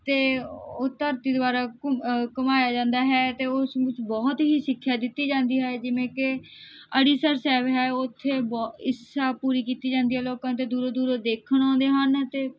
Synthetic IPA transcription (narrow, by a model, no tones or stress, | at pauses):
t̪eːoːt̪əɾt̪iːd̪oaːɾaːkəmaːjaːd͡ʒãːnd̪aːɦɛːt̪eːʊsbɪt͡ʃbɔːt̪ɦiːʃɪkʰːjaːd̪ɪt̪ːiːd͡ʒãːnd̪iːɦɛːd͡ʒɪʋẽːkɪ | əɽiːsəɾsɛːʋɦɛːʊt̪ʰːeːbːɪsaːpuːɾiːkiːt̪iːd͡ʒãːnd̪iːɦɛːloːkãːt̪eːd̪uːɾod̪uːɾoːd̪eːkʰəɳɔ̃ːnd̪eːɦənt̪eː